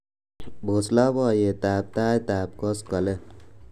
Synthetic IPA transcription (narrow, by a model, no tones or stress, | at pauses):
bʱoslabʌjet̪ab̚t̪aːjt̪aːb̚kʌskʌle